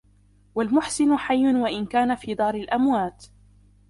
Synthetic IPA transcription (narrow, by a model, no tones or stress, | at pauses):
walmʊħsɪnʊħajːʊnwaʔɪnkaːnafiːd̪ˤɑːɾɪlʔamwaːt̪